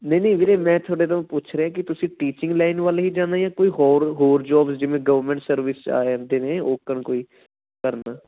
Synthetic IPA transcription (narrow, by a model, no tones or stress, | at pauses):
nənĩːʋiːɾeːmɛ̃ːt̪ʰoːɽeːt̪õːpʊt͡ʃʰɾeːãːk̬ɪt̪ʊsĩːʈiːt͡ʃɪ̃ŋɡlaːɪnʋaːleɦiːd͡ʒãːnaːjãːkoːiːɦoːɾɦoːɾd͡ʒɔːbsd͡ʒɪʋẽːɡəʋəɾmɛ̃ːɳʈsəɾʋɪst͡ʃa̰ːnd̪eːneːoːkəɳkoːiː | kəɾnaː